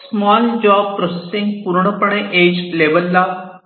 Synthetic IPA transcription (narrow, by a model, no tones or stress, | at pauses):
smaːld͡ʒaːb̚pɾosesɪ̃ŋɡpuɾɳ̃əpəɽ̃ẽʔeːd͡ʒleːbəlːaː